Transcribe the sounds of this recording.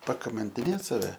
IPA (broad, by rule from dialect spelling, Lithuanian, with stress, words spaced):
pɐkɐmɐnʲtʲɪˈnʲeːt sɐˈʋʲɛ